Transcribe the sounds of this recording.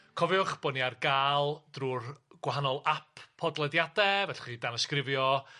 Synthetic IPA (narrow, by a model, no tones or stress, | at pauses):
kʰɔvɪʊχb̥ɔniarɡaːlˠd̥ruːrɡ̥waɦanɔlˠapʰɔdlˠɛdjadɛvɛɬχidanəskrɪvjɔ